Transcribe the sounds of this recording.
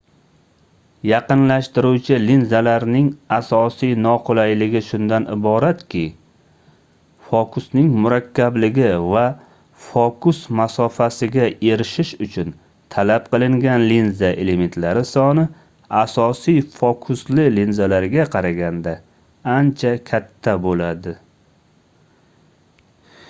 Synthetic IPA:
jɑqɨnlaʃt̪ɪɾuwt͡ʃʰɪlinzalaɾnɪŋasɒsijnɒqʰolˠajlɪɡʲɪʃʊnd̪anɪ̰bɒɾat̪kʲʰɪ | fɒkʰʊsnɪŋmʊɾakʲːablɪɡʲɪva | fɒkʰʊsmasɒfasɪɡʲae̞ɾɪʃɪʃʊt͡ʃʰʊn | t̪ʰalap̚qɨlˠɪŋɡʲanlinzaʔe̞lement̪laɾɪsɒnɪ | asɒsijfɒkʰʊslɪlinzalaɾɡʲaqʰɑɾaɡʲand̪a | ant͡ʃʰakʲʰat̪ʰːabolad̪ɪ

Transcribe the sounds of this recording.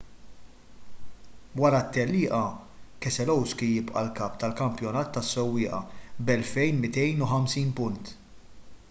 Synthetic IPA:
wɐɾɐt̪ːɛlːɪːʔɐ | kɛsɛlɔwskijɪpʔɐ̰lkɐːpt̪ɐlkɐmpjɔnɐːt̪ːɐsːɔwːɪːʔɐ̰bɛlfɛjnmɪt̪ɛjnʊħɐmsiːnpʊnt̪

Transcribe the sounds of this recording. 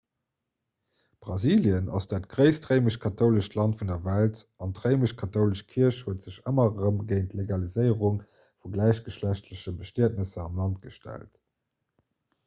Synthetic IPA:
b̥ʁɑziːljənɑ̰sd̥aːtɡ̥ʁəɪstʁəɪməʃkʰɑtʰoʊləʃtʰlɑntfundɐvæltɑntʁəɪməʃkʰɑtʰoʊləʃkʰiəɕhuətz̥əɕəmɐʁəmɡeɪntleɡɑlizəɪəʁuŋ | fuɡlæɪɕɡ̥əʃlæɕtʰləɕəbəʃtiətnəsəɑmlɑnt̚ɡ̥əʃtæ̰lt

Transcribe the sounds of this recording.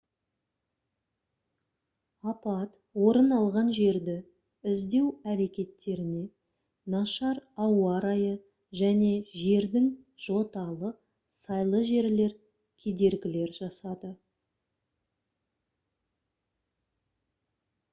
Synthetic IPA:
ɑpɑt̪ | wo̞ɾənɑlˠʁɑnʒe̞ɾd̪ɪ | ɪzd̪e̞wæɾe̞kʲe̞t̪ːe̞ɾɪne̞ | nɑʃɑɾɑwɑɾɑjə | ʒæne̞ʒe̞ɾd̪ɪŋ | ʒ̥o̞t̪ɑlˠəq | sɑjlˠəʒe̞ɾle̞ɾ | kʲʰe̞d̪e̞ɾɡʲɪle̞ɾʒɑsɑd̪ə

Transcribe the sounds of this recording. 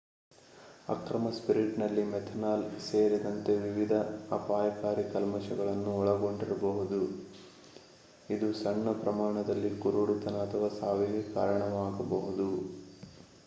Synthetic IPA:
ɐ̰kɾɐmɐspiɾiʈnɐlːimɛt̪ʰɐnaːlse̞ːɾid̪ɐnt̪e̞ʋiʋid̪ʱɐɐpaːjɐkaːɾikɐlmɐʃɐɡɐɭɐnːuɔɭɐɡo̞ɳɖiɾɐbɐɦud̪u | id̪usɐɳːɐpɾɐmaːɳɐd̪ɐlːikuɾuɽut̪ɐnɐːt̪ʰɐʋɐsaːʋɛɦeka̰ːɾɐɳɐʋaːɡɐbɐɦud̪u

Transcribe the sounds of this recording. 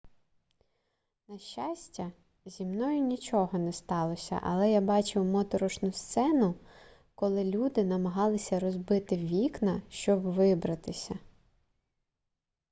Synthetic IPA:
nɐʃt͡ʃːasʲtʲɐ | zʲimnɔjʊnʲit͡ʃɔɦɔnɛst̪ɑlˠɔsʲɐ̰ʔɐ̰lˠɛjabɑt͡ʃɪwmɔt̪ɔɾɔʃnʊst̪sɛnʊ | kɔlˠɪlʲud̪ɪnɐmɐɦɑlˠɪsʲɐɾɔzbɪt̪ɪʋʲiknɐʃt͡ʃɔbʋɪbɾɐt̪ɪsʲɐ

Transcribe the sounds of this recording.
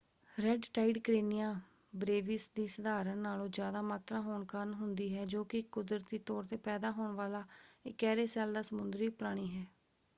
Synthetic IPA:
ɾɛɖʈaːiɖkɾeːnɪjaː | bɾeːʋiːsd̪iːsəd̪aːɾənnaːlõːd͡ʒjaːd̪aːmaːt̪ɾaːɦoːɳkənɦʊnd̪iːɦɛːd͡ʒoːkɪkːʊd̪ɾət̪iːt̪ɔːɾt̪eːpɛːd̪aːɦoːɳʋaːlaːɪkːɛːɾeːsɛːld̪aːsəmʊnd̪ɾiːpɾaːɽ̃iːɦɛː

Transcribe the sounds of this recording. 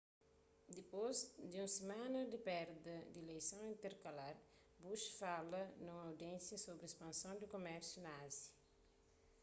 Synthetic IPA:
d̪ipozd̪iũsemãnɐd̪ipɛɾd̪ɐd̪iilejsõw̃ĩnt̪eɾkɐlaɾ | buʃfalɐnũmɐawd̪iɛ̃nsjɐsobɾiespɐ̃nsõnd̪ikomɛɾsjunɐazjɐ

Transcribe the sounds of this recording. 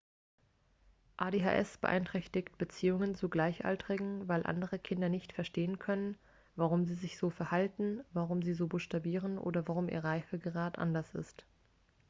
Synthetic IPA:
ʔaːdeːɦa̰ːʔɛ̰sb̥ə̰ʔa̰ɪntʁ̥ɛçtɪçt̚b̥ət͡siːʊŋənt͡suɡlaɪçʔa̰ltəʁ̥ɪɡŋ̩vaɪlʔa̰ndəʁəkʰɪndɐnɪçtfɛɐʃteːənkʰœnən | vaʁʊmziːzɪçz̥oːfɛɐhaltn̩vaʁʊmziːzoːbʊʃtabiːʁ̞ənʔo̰ːdɐvaʁ̞ʊmʔḭːɐʁaɪfəɡəʁaːtʔa̰ndɐsɪ̰st

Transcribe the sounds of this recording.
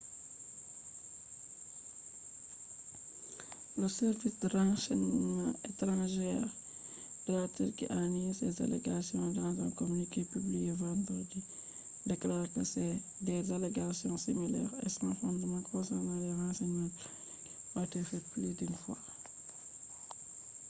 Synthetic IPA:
ləsɛɾvisdərãsɛɲmã̰etɾɑ̃ʒɛːʁ | d̥latiɾkḭʔanesɛza̰lḛɡasjɔ̃dãzɛ̰̃komynikepyblijevãnd̪ɾədi | deklaːɾkəsɛ | dɛzaleɡasjɔ̃similɛ̰ːʁɛ̰skɛ̃fɔ̃ndəmãkɔ̃satãdɛʁãːsɛɲmã | watɛfɛtplidynfwa̰

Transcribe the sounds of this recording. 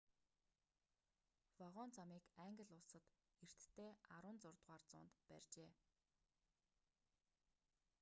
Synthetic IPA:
faʁɔːnt͡sʰamiːkæŋɡə̆ɮʊɮsə̆t̪ | er̥t̪ːʰeːaɾʊːnt͡sʊrt̪ʁaːrt͡sʊ̰ːnt̪pæ̰rʲt͡ɕeː

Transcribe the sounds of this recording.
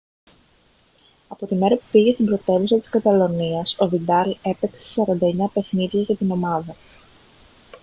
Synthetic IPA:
ɐpo̞t̪ime̞ɾɐpu̥piɣe̞st̪imbɾo̞t̪e̞vusɐt̪i̥skɐt̪ɐlo̞niɐso̞vid̪ɐle̞pekse̥sɐɾɐnd̪ɐe̞ɲɐpe̞xniðʝɐʝɐt̪ino̞mɐðɐ

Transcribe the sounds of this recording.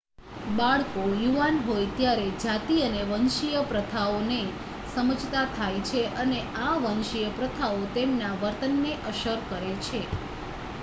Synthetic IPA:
baɭkojuʋanɦojt̪jaɾed͡ʒat̪iəneʋənʃijəpɾət̪ʰaone | səməd͡ʒʱt̪at̪ʰajt͡ʃʰeʔəneʔaʋənʃijəpɾət̪ʰaot̪emnaʋəɾt̪ənːeʔəʃəɾkəɾet͡ʃʰe

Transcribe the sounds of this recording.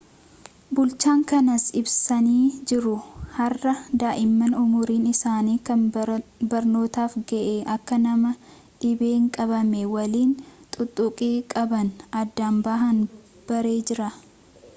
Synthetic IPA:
bʊlt͡ʃaːŋkɐnɐsɪbsɐniːd͡ʒɪɾʊhɐrːɐd̪aːʔɪmːɐnʊmʊɾiːnɪsaːniːkɐnbɐɾno̞ːt̪aːfɡɛʔeːʔɐkːɐnɐmɐ | ᶑɪbeːŋkʼɐβɐmɛwɐliːnt̪ʼʊt̪ʼːʊkʼeːkʼɐbɐnɐd̪ːaːmbaɦɐn | b̥ɐɾe̞ːd͡ʒɪɾɐ

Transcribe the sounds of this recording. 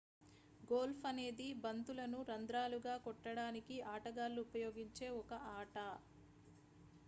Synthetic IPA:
ɡoːlpʰɐne̞ːd̪ibɐnt̪ulɐnuɾɐnd̪ɾaːluɡaːkɔʈːɐɽaːnikiaːʈɐɡaːlːuːpɐjo̞ːɡiɲt͡ʃe̞ːɔkɐʔaːʈɐ

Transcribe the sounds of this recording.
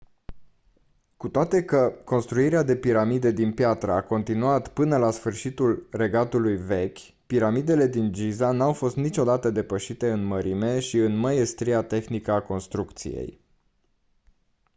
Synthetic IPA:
kut̪oat̪e̞kəko̞nst̪ɾuiɾead̪e̞piɾamid̪e̞d̪inpjat̪ɾəako̞nt̪inuat̪pɨnəlasfɨrʃit̪ulre̞ɡat̪ulujve̞kʲ | piɾamid̪e̞le̞d̪ind͡ʒizanawfo̞st̪nit͡ʃo̞d̪at̪əd̪e̞pəʃit̪e̞ɨnməɾime̞ʃiɨnməje̞st̪ɾiat̪e̞xnikəako̞nst̪ɾukt̪sḭjḛj

